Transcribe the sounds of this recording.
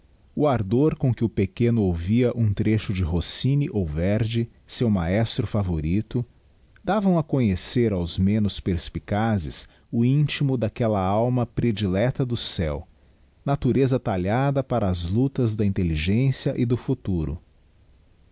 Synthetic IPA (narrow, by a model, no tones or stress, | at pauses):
ʊaɾd̪oɾkõkɪʊpekẽnʊowviɐʔũt̪ɾeʃʊd͡ʒɪɦosĩnɪʔowveɾd͡ʒɪ | sewmaɛst̪ɾʊfavoɾit̪ʊ | d̪avɐ̃w̃ɐkõɲeseɾawzmẽnʊspeɾspikazɪ̰s | ʊĩnt͡ʃimʊd̪akɛlɐawmɐpɾed͡ʒilɛt̪ɐd̪ʊsɛ̰w | nat̪uɾezɐt̪aʎad̪ɐpaɾɐːzlut̪ɐzd̪ɐĩnt̪eliʒẽsiɐʔɪd̪ʊfut̪uɾʊ̰